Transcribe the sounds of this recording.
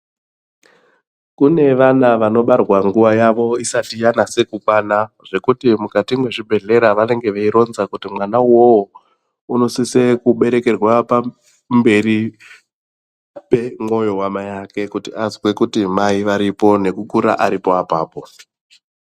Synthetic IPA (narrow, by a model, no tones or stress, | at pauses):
kune̞ʋanaʋano̞ɓarwaŋɡuʋajaʋo̞isatijanase̞kukwana | ʐ̥e̞kutimukatimwe̞ʐibʱe̞ɮe̞ɾaʋane̞ŋɡe̞ʋeiɾo̞nzakutimwanawowo | uno̞sisekuɓe̞ɾe̞ke̞rwapa | mbe̞ri | pe̞mo̞jo̞wamajake̞kutiazwe̞kutimaiʋaɾipo̞ne̞kukuɾa̰ʔaɾipo̞apaːpo̞